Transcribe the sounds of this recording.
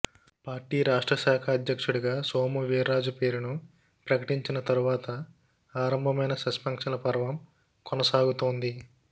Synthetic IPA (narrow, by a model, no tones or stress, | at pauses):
paːɾʈiːɾaːʂʈɾɐʃaːkʰɐːd̪jɐkʂuɽiɡaːsoːmuʋiːɾaːd͡ʒupe̞ːɾunu | pɾɐkɐʈiɲt͡ʃinɐt̪ɐɾuʋaːt̪ɐ | aːɾɐmbʱɐmɐjnɐsɐspɐŋkʂɐlɐpɐɾɐʋɐm | kɔnɐsaːɡut̪oːnd̪i